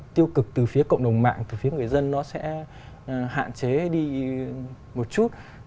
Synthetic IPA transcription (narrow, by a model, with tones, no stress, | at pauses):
t̪i˧əwkɨ˨˩k̚t̪ɨ˨˩fi˨˦əkə̰˧˨wŋ͡mɗə˨˩wŋ͡mma̰ː˧˨ŋt̪ɨ˨˩fi˨˦əŋɨ˨˩əjzə˧nːɔ˨˦sɛ̰˧˥ | ɦa̰ː˧˨nt͡ɕe˨˦ɗi˧ | mo˨˩t̚t͡ɕu˦˥t̚